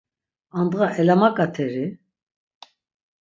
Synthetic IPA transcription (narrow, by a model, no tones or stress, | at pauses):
and̪ʁaʔɛlamakʼat̪ʰɛɾi